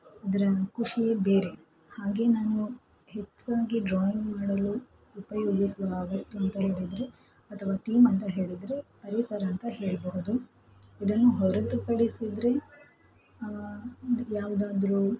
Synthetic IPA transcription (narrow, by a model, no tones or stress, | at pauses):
aːd̪ɐɾɐkuʂijebeːɾe̞ | haːɡe̞naːnu | het͡ʃːd̪aːɡiɖɾaːjiŋɡmaːɽɐluː | pɐjoːɡisuʋɐːʋɐst̪uɐnt̪ɐɦe̞ːɭid̪ɾe̞ | ɐt̪ʰɐʋaːt̪iːmɐnt̪ɐɦe̞ːɭid̪ɾe̞pɐɾisɐɾɐnt̪ɐɦe̞ːɭbɐɦud̪u | id̪ɐnːuɦɔɾɐt̪upɐɽisid̪ɾe̞ | jaːʋud̪aːd̪ɾu